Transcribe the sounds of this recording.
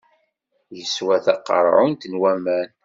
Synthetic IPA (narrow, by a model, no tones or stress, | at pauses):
jəswæθɑqːə̰ɾˤʕʊnt̪ənwæmæn